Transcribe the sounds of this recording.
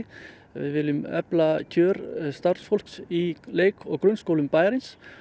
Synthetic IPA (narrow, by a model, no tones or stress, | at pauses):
vɪ̰ðvɪlʏmœ̰placʰœːɾst̪aɾsfol̥ksileːjkʰɔɣkɾʏnskowlʏmpaːjɾɪns